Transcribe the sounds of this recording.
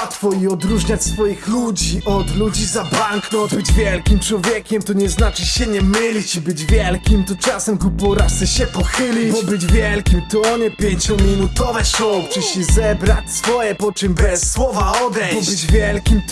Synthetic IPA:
t̪fɔiɔd̪ɾuʐɲat͡ɕʲsfɔjixlud͡ʑiʔɔd̪lud͡ʑizabaŋknɔt̪bɘd͡ʑvʲjɛlkʲimt͡ʂwɔvʲjɛkʲɛmt̪ɔɲɛznat͡ʂɘɕɛɲɛmɘlʲit͡ɕibɘd͡ʑvʲjɛlkʲimt̪ɔt͡ʂasɛmɡɔpɔɾasɛɕɛpɔxɘlʲiɔbɘd͡ʑvʲjɛlkʲimt̪ɔɔɲɛpʲjeɲt͡ɕɔmʲinut̪ɔvɛsɔwpt͡ʂɨɕɛzɛbɾat͡ɕsfɔjɛpɔt͡ʂɨmbɛsːwɔvaɔd̪ɛɔbɘd͡ʑvʲjɛlkʲimt̪

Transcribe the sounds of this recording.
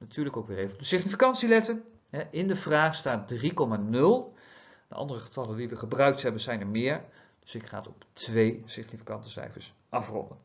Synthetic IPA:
natyːɹləkowkʋɪːrejvəndəsɪχnifikɑntsilɛtən | ɦɛʔɪndəvraːχstaːt̚drikɔmanɵlˠ | d̥ə̰ʔɑ̰ndərəχə̥tɑləndiʋəχəbrœɥk̚tɦɛbənzɛjnɛɹmɪːɹ | d̥ɵsɪkχa̰ːtɔptʋejsɪχnifi̥kɑntəsɛ̰jfə̰ɹs | ʔɑfrɔ̰ndən

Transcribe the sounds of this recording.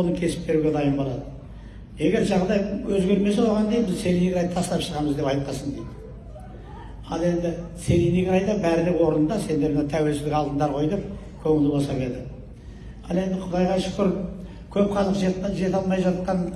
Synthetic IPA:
onəŋkʲʰe̞sɪ̥p̚be̞ɾuɡʲe̞d̪ɑjəmbolˠɑd̪ə | je̞ɡʲe̞ɾʒɑʁd̪ɑjwɵzɡʲe̞ɾme̞s̬ewoʁɑnd̪ebɪzse̞lʲiniɡʲɾɑj̪t̪ʰɑsəlɑpʃəʁɑməzd̪e̞pɑjt̪̚qɑsəɴd̪ejd̪ɪ | ɑlˠe̞nd̪ɪse̞liniɡʲɪɾɑjd̪ɑbæɾɪlɪkwo̞ɾənənd̪ɑse̞nd̪e̞ɾmnɑwt̪ʰæwe̞lʃɪlɪkɑlˠd̪ənd̪ɑɾqʰo̞jd̪ep̚ | kʲʰɵŋɪld̪ɪbosɑkʲe̞ld̪ɪ | ɑlˠe̞nd̪ɪqʰʊd̪ɑjʁɑʃʊ̥kʲɪɾp | kʲʰɵp̚qʰɑzˠʒe̞t̪ʒe̞t̪ɑlˠmɑjʒɑt̪qɑn

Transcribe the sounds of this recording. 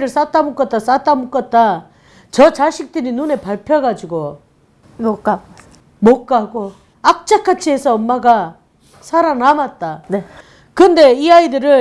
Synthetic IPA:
ɾɯɭs͈at͈amuk͈ʌt̚t͈as͈at͈amuk͈ʌt̚t͈a | t͡ɕʌt͡ɕaɕʰik̚t͈ɯɾinune̞paɭpʰjʌɡad͡ʑuɡo | mok͈a | mok͈aɡo | ak̚t͡ɕ͈akʰat͡ɕʰie̞sʰʌʌmːaɡa | sʰaɾanamat̚t͈ane | kɯnde̞iaidɯɾɯ

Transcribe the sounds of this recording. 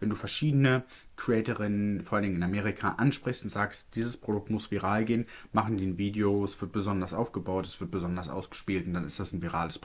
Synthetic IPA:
vɛnduːfɛɐʃiːdənə | kʁ̥iɛːtəʁɪnənfɔɐʔaldɪŋɪnameːʁikʰaʔanʃpʁ̥ɪçstʊntz̥aːkstd̥iːzəspʁ̥odʊk̚tmʊsv̥iʁaːlɡeːənmaχn̩diːnviːdeoɛsv̥ɪɐt̚b̥əzɔndɐsʔaʊfɡ̥əbaʊtɛsv̥ɪɐt̚b̥əzɔndɐsʔa̰ʊsɡ̥ə̥ʃpiːltʊntd̥anɪstd̥asnviʁa̰ːləspʁ

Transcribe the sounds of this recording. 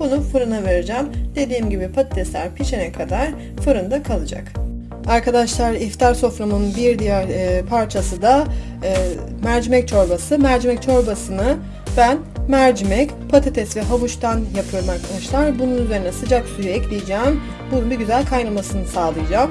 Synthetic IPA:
bunufɯɾunave̞ɾed͡ʒɛmd̪̥e̞d̪iːmɟibipʰat̪ʰet̪ʰɛslʲæɾpʰiʃenɛkʰad̪aɾ̥ | fɯɾɯnd̪akʰalˠɯd͡ʒa̰k | aɾkʰad̪aʃlˠaɾift̪ʰaɾso̞fɾamunbiɾd̪ijæɾpʰaɾt͡ʃʰasɯd̪a | mæɾd͡ʒimɛc̚t͡ʃʰo̞ɾbasɯmæɾd͡ʒimɛc̚t͡ʃʰo̞ɾbasɯnɯ | bæn | mæɾd͡ʒimɛc | pʰat̪ʰet̪ʰɛsvɛɦavuʃt̪ʰanjapʰɯjoɾmaɾkʰad̪aʃlˠaɾbununyze̞ɾinɛsɯd͡ʒaksujyɛclʲijid͡ʒɛːm | bununbiɟyzælʲkʰajnamasɯnɯsaːlˠɯjɯd͡ʒaːm

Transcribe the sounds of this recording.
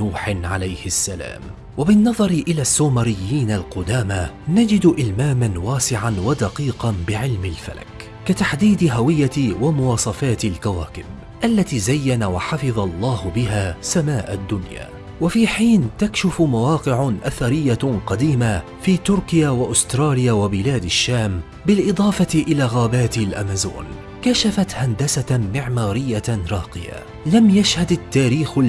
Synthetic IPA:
uːħɪnʕalajhɪsːala̰ːm | wabɪnːɑðˤɑɾʔɪlaːsːuːmaɾɪjːiːnalqʊd̪aːma | nad͡ʒɪd̪ʔɪlmaːmanwaːsɪʕanwad̪aqiːqɑnbɪʕɪlmɪlfa̰la̰k | kat̪aħd̪iːd̪ɪɦawɪjːawamʊwɑːsˤɑfaːt̪alkawaːkɪb | ʔalːat̪iːzajːanawaħɑfɨðˤɑlˤːɑːhbɪɦaːsamaːʔad̪ːʊnja̰ː | wafiːħiːnt̪akʃɪfmawɑːqɪʕʔaθaɾɪjːaqɑd̪iːma | fiːt̪ʊɾkɪjaːwaʔʊst̪ɾˤɑːlɪjaːwabɪlaːd̪aʃːaːm | bɪlʔɨd̪ˤɑːfɑt̪ɪʔɪlaːɣaːbaːt̪alʔa̰mazo̰ːn | kaʃafat̪hand̪asamɪʕmaːɾɪjːaɾˤɑːqɪ̰ja̰ | lamjaʃhad̪at̪ːaːɾiːx

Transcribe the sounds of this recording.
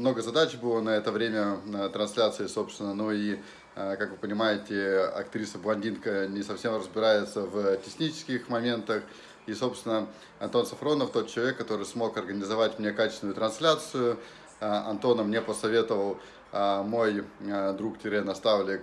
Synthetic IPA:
mnoɡəzɐd̪at͡ɕbɨlˠənɐɛt̪əvɾʲemʲət̪ɾɐnsʲlʲat̪sɨɪso̞pst̪vʲɪnənui | kakvɨpənʲɪmajɪtʲɪɐ̰k̚t̪ɾʲisəblˠɐnʲdʲinkənʲɪsɐfsʲe̞mrəzbʲɪɾajɪt̪səvtʲɪxnʲit͡ɕɪ̥skʲɪxmɐmʲe̞nt̪əx | iso̞pst̪vʲɪnə | ɐnt̪o̞nsɐfɾo̞nəft̪o̞t̪̚t͡ɕɪlˠɐvʲekːɐt̪o̞ɾɨsmo̞kɐrɡənʲɪzɐvatʲmnʲe̞kat͡ɕɪ̥sʲnʊjʊt̪ɾɐnsʲlʲat̪sɨjʊ | ɐnt̪o̞nəmnʲepəsɐvʲe̞t̪əvəlˠ | mo̞jd̪ɾuktʲɪɾʲɛnɐst̪avlʲɪ

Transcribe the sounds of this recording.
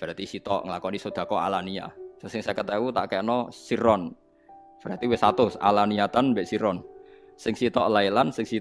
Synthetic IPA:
b̥əɾat̪isit̪ɔ̰ʔŋəlakɔnisod̪̥a̤kɔa̰lania̰sosɪŋsakət̪ewut̪a̰ʔkɛʔnɔsiɾɔn | b̥əɾat̪iwɪsat̪ʊsa̰laniat̪anmbɛʔsiɾɔn | sɪŋsit̪ɔʔlailansɪŋsi

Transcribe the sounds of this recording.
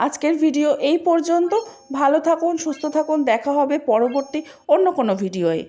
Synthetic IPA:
ad͡ʑkeɾbʱiɖioʔejpɔɾd͡ʑont̪o | bʱalot̪ʰakunʃust̪ʰot̪ʰakund̪ɛkʰaɦɔbepɔɾoboɾt̪i | onːokonobʱiɖioe

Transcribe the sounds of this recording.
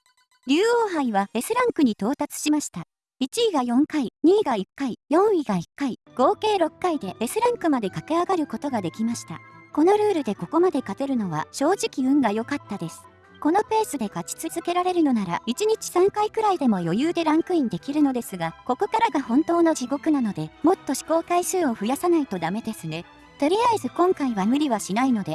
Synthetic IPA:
ɾʲɨːoːɦaiβae̞sɨɾãŋkɯ̟ɲ̟it̪o̞ːt̪at͡sɨ̥ɕimaɕi̥t̪a | it͡ɕiːɡajõ̞ŋkaiɲ̟iːɡaikːaijõ̞ɰ̃iɡaikːai | ɡ̥o̞ːke̞ːɾo̞kːaid̪e̞e̞sɨɾãŋkɯ̟mad̪e̞kake̞aɡaɾɯ̟ko̞t̪o̞ɡad̪e̞kʲimaɕi̥t̪a̰ko̞no̞ɾɯ̟ːɾɯ̟d̪e̞ko̞ko̞mad̪e̞kat̪e̞ɾɯ̟no̞β̞a̰ɕo̞ːʑikʲiɯ̟̃ŋɡajo̞kat̪ːad̪e̞sɨ̥ | ko̞no̞pe̞ːsɨd̪e̞kat͡ɕi̥t͡sɨzɨke̞ɾaɾe̞ɾɯ̟no̞naɾa̰it͡ɕiɲ̟it͡ɕi̥sãŋkaikɯ̟ɾaid̪e̞mo̞jo̞jɯːd̪e̞ɾãŋkɯ̟ĩnd̪e̞kʲiɾɯ̟no̞d̪e̞sɨɡako̞ko̞kaɾaɡahõ̞nt̪o̞ːnod͡ʑiɡo̞kɯ̟nano̞d̪e̞mo̞t̪ːo̞ɕi̥ko̞ːkaiɕɨːo̞ɸɯ̟jasanait̪o̞d̪ame̞d̪e̞sɨne̞ | t̪o̞ɾʲiaizɨkõ̞ŋkaiβamɯ̟ɾʲiβaɕinaino̞d̪e̞

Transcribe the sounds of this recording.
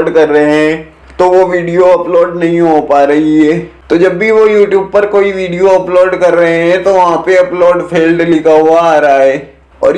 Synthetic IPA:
ɖkɐɾːɐɦeɦɛ̃ | t̪oʋoʋiːɖijoɐploːɖnɐɦĩɦopaːɾɐɦiɦɛːt̪oːd͡ʒɐbːiʋojuːʈjuːb̚pɐɾkoːiʋiːɖijoɐploːɖkɐɾːɐɦeɦɛ̃t̪oʋɐɦãpeɐploːɖpʰeːlɖlɪkʰaɦuaaːɾaɦɛː | ɔ̰ːɾ

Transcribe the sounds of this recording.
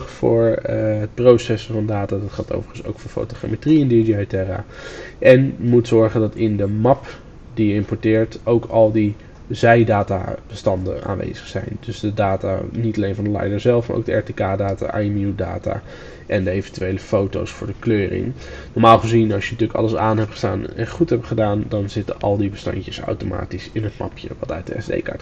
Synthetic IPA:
χfʊ̰ːɹət̚prowsɛsəvɑndaːtaːdɑtχalˠto̰wvəɹχənso̰wkfʊːɹfo̰wtoχa̰metriɛndid͡ʒiatɛra̰ː | ʔɛnjəmutsɔɹχəndɑtɪndəmɑp | dijəɪmpɔɹtɪːɹtowkʰɑlˠdi | zɛjdaːta̰b̥əstɑndə̰na̰ːnʋḛjz̥əχsɛ̰jndɵsdədaːta̰ːnitɑlejnvɑndəlɛ̰jdəɹzɛlˠfma̰ɹʔo̰ɡdəɛɹtekaːdaːta̰ʔajmida̰ːta̰ː | ʔɛndəejvəntyʋejləfowto̰wsfʊːɹdəkløːɾɪ̰ŋ | nɔɹmaːlˠχəzinɑsjənətyːləkɑ̰ləsaːnɦɛp̚χə̥sdaːnɛ̰nχutɦɛptχədaːndɑnzɪtənʔɑ̰lˠdibəstɑ̰ɲcəsa̰wtoma̰ːtisɪnɦətmɑ̰pjə̰ʋɑt̚da̰ːdəɛ̰zdḛjka̰ɹt

